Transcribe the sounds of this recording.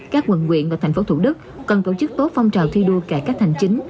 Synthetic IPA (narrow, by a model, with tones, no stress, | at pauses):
kaː˦˥k̚wə˨˧˩nŋwḭ˧˨ənvaː˨˩t̪ʰɛ˨˩jŋ̟fo˨˦t̪ʰṵ˧˩ɗɨ˦˥k̚ːɔ˨˩nt̪o˧˩t͡ɕɨ˦˥k̚t̪o˦˥t̚fa˧wŋ͡mt͡ɕaː˨˩wt̪ʰi˧ɗu˧əkaː˧˩kaː˦˥k̚t̪ʰa˨˩jŋ̟t͡ɕï˨˦ŋ̟